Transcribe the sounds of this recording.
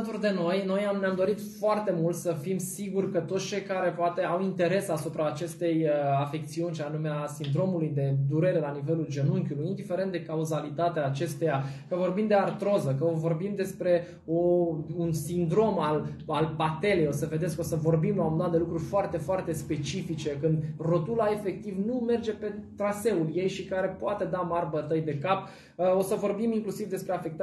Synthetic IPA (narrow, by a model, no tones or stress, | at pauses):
t̪urd̪e̞no̞jno̞janeamd̪o̞ɾit̪foart̪e̞mult̪səfimsiɡurʲkət̪ot̪st͡ʃe̞jkaɾe̞poat̪e̞awint̪e̞ɾe̞sasupɾaːt͡ʃe̞st̪e̞jəafek̚t̪siunʃanumeasind̪ɾo̞mulujd̪e̞d̪uɾe̞ɾe̞lanive̞luld͡ʒe̞nuŋkʲulujind̪ife̞ɾe̞nt̪̚d̪e̞kauzalit̪at̪eaːt͡ʃe̞st̪e̞jakəvo̞rbimd̪e̞art̪ɾo̞zəkəovo̞rbimd̪e̞spɾe̞ | ounsind̪ɾo̞malalpat̪e̞le̞jo̞səve̞d̪esko̞səvo̞rbimlaomnat̪d̪e̞lukɾurʲfoart̪e̞foart̪e̞spe̞t͡ʃifit͡ʃe̞kɨnd̪ro̞t̪ulae̞fe̞k̚t̪ivnume̞rd͡ʒe̞pe̞t̪ɾase̞ulje̞jʃikaɾe̞poat̪e̞d̪amarbət̪əjd̪e̞kap | o̞səvo̞rbimiŋklusivd̪espɾe̞afek̚t̪a